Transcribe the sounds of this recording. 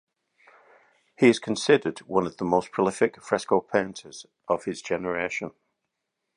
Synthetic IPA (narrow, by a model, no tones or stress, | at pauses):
hiɪz̥kʰə̃nsɪdədwʌ̃nəvðəmoʊspʰɹ̥əlɪfɪkfɹɛskoʊpʰẽɪ̃ntʰəz̥ | ʔəv̥ɪzd͡ʒɛnəɹeɪʃə̃n